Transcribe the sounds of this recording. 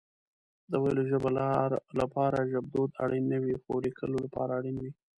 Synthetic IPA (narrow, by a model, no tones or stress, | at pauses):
d̪əwajloʒəbalɑɾlapɑɾaʒab̚d̪od̪aɽinəwixoɾikʰə̰lolapɑ̰ɾaːɽinwi